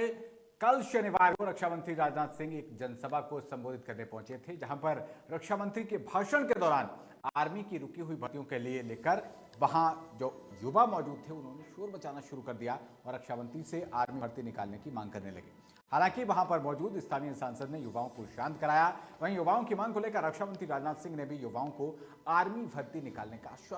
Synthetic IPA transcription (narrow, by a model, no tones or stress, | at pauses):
e | kɐlʃɐnɪʋaːɾoɾɐkʃaːmɐ̃nt̪ɾiɾaːd͡ʒnaːt̪sɪ̃ŋɡeːkd͡ʒɐnsɐbʱakosɐ̃mboːd̪ʱɪt̪̚kɐɾnepɐ̃ɦʊ̃t͡ʃet̪ʰed͡ʒɐɦãpɐɾɾɐkʃaːmɐ̃nt̪ɾikebʱaːʃəɽ̃ked̪ɔːɾaːn | aːɾmikiɾʊkiɦʊibʱɐt̪ijõkelieleːkəɾ | ʋɐɦãd͡ʒoː | jʊbamɔːd͡ʒuːd̪̚t̪ʰeʊnɦõneʃoːɾbɐt͡ʃaːnaʃʊɾukɐɾd̪ijaɔːɾɐkʃamɐ̃nt̪ɾiseʔaːɾmiɐɾt̪inɪkaːlnekimãːŋɡkɐɾnelɐ̰ɡḭː | haːlãːkiʋɐɦãpɐɾmɔːd͡ʒuːd̪ɪst̪ʰaːnijəsaːnsəd̪nejʊʋaːõkoʃãːnt̪kɐɾaːjaʋɐɦĩjʊʋaːõkimãːŋɡkoleːkəɾːɐkʃamə̃nt̪ɾiɾaːd͡ʒnaːd̪sɪ̃ŋɡnebʱijʊʋaːõko | aːɾmibʱɐɾt̪inɪkaːlnekaːʃə